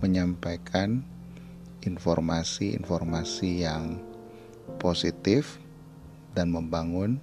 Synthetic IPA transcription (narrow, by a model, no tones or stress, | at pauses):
məɲampajkʰan | infɔrmasiḭnfɔrmasijaŋ | posit̪ɪf | danməmbaŋʊn